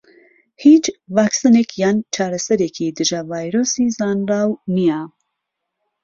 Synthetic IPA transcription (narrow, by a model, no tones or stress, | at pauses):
hit͡ʃvaːksanekʰjaːnt͡ʃʰaːɾɐsɐɾekʰid̪ɨʒɐvaːjɾosizaːnraːwnija